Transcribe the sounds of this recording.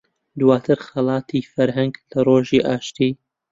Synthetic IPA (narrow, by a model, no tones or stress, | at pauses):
d̪waːt̪ʰɨɾxɐlˠɑːt̪ʰiːfɐɾɦɐŋɡlɐroːʒiːʔaːʃt̪iː